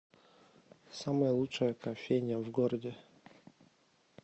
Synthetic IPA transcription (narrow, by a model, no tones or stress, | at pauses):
saməjəlˠutt͡ʂəjəkɐfʲejnʲɪjəvɡoɾədʲɪ